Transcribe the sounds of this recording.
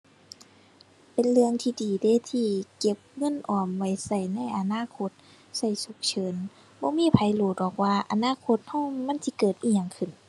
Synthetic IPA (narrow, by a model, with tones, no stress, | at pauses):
pe˨nlɯ˧əŋt̪ʰiː˧diː˨˩deː˧˥˨t̪ʰiː˧ke˧˦p̚ŋɤ˧˥˨nʔɔː˨˩mwa˧˩jsa˧˩jna˧˥˨jʔa˧naː˧˥˨kʰo˧˦t̪̚ | sa˧˩jsu˧˦k̚t͡ɕʰɤː˨˦n | bɔː˧˦miː˧˥˨pʰa˨˦jloː˨˩t̪̚bɔː˨˩k̚waː˧ʔa̰˧naː˧˥˨kʰo˧t̪̚hɔː˧˥˨ŋːa˧˥˨nsi˧˦kɤː˨˩t̪ʔiː˧˩ɲa˧ŋkʰɯ˧˩˨n